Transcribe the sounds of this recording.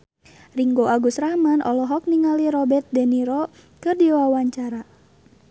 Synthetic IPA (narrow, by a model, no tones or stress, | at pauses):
riŋɡoʔaɡusramanʔɔ̰lɔɦɔk̚niŋaliɾɔbɛrt̪̚dɛniɾɔ | kɨrdiwawaɲt͡ʃaɾa